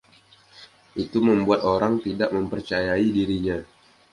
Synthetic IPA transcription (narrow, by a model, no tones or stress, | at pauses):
ʔit̪uməmbuat̪oɾaŋt̪idaʔməmpərt͡ʃajaidiɾiɲa